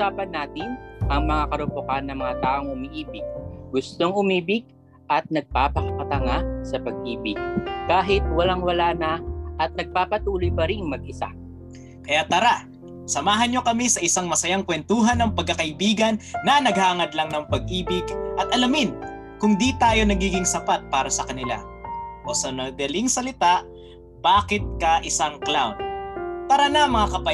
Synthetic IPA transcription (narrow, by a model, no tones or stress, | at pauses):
ʔusaːpɐnːaːt̪ɪnʔɐŋmɐŋakɐɾʊpokanːɐŋmɐŋat̪aːʔo̞ŋʊmiʔiːbɪɡ̚ɡʊst̪oŋʊmiːbɪɡ̚ | ʔɐt̪̚nɐɡ̚paːpɐkɐkɐt̪ɐŋasɐpɐɡ̚ʔiːbɪɡ̚kaːɦɪt̪̚wɐlaŋwɐlaːnɐʔɐt̪̚nɐɡ̚paːpɐt̪uːlʊjpɐɾiŋmɐɡ̚ɪsa̰ | kɐjat̪ɐɾa | sɐmaːɦɐnɲo̞kɐmisɐʔɪsaŋmɐsɐjaŋkwɛnt̪uːɦɐnːɐŋpɐɡ̚kːɐkɐʔɪbiːɡɐnːɐnɐɡ̚haːŋɐd̪laŋnɐŋpɐɡ̚ʔiːbɪɡʔɐt̪ʔɐlɐmɪn | kʊŋd̪it̪aːjo̞nɐɡiːɡɪŋsɐpat̪̚paːɾɐsɐkɐnɪla̰ | ʔo̞sɐnɐd̪ɐlɪŋsɐlɪt̪aʔ | baːkɪt̪̚kɐʔɪsaŋklawnt̪ɐɾanɐmːɐŋakɐpɐ